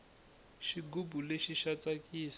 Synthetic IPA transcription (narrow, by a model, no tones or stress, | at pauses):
ʃiɡubuleʃiʃat͡sakʼiːs